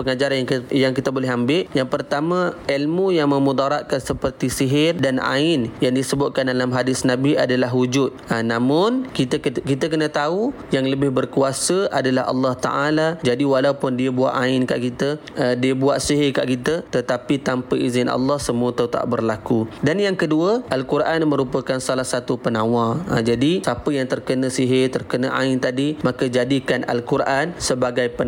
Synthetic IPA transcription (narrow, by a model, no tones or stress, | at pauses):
pəŋad͡ʒaɾanjaŋkit̪əbolɛɦambɪʔjaŋpərt̪amãilmujaŋmə̃mud̪aɾaʔ̚kansəpərt̪isiɦɪrdana̰ɪnjaŋdisəbʊt̪̚kandalamɦadɪsnabiadalaɦud͡ʒʊt̪̚anãmʊnkit̪əkit̪əkənə̃t̪au | jaŋləbɪhbərkuasəʔa̰dalaɦɑ̰lːɑht̪a̰ʔalad͡ʒadiwalaupʊndiəbua̰ʔaɪnkaʔkit̪ə | diəbuaʔsiɦɪka̰ʔkit̪ət̪ət̪apit̪ampəʔizɪnʔɑ̰lːɑhsəmuət̪awt̪a̰ʔbərlakudanjaŋkəduəʔalkurʔanmə̃ɾupəkansalahsat̪upənãwad͡ʒadisapəjaŋt̪ərkənə̃siɦet̪ərkənaʔa̰ɪnt̪adimakəd͡ʒadikanʔa̰lkurʔansəbaɡajpə